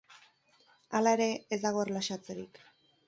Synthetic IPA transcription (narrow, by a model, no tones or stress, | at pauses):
alae̞ɾe̞ːzd̪aɣ̞o̞rlaʃat͡se̞ɾḭk